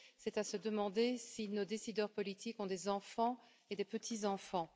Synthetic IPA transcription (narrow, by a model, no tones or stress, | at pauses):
sɛt̪asəd̪əmɑ̃d̪esinod̪esid̪œʁpɔlit̪ikɔ̃d̪ezɑ̃fɑ̃ | ed̪epət̪ʰizɑ̃fɑ̃